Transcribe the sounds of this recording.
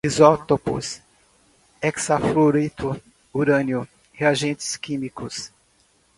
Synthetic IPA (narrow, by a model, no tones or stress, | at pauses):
izɔt̪opʊ̰s | ɛksafloɾit̪ʊ | uɾɐ̃njʊ | heaʒẽnt͡ʃɪ̥skĩmikʊs